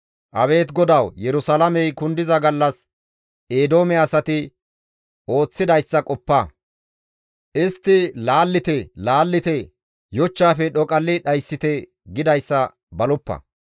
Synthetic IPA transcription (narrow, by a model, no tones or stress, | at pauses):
ʔɐβe̞ːt̪ɡɔd̪ɐwjɛɾʊsɐlɐmɛjkʊnd̪ɪzɐɡɐlːɐs | eːd̪o̞ːmɛɐsɐt̪ɪ | o̞ːt͡sːɪd̪ɐjsːɐkʼɔpːɐ | ʔɪst̪ːɪlaːlːɪt̪ɛlaːlːɪt̪ɛ | jɔt͡ʃːaːfɛɗɔkʼɐlːɪɗɐjsːɪt̪ɛ | ɡɪd̪ɐjsːɐ | bɐlʊpːɐ̰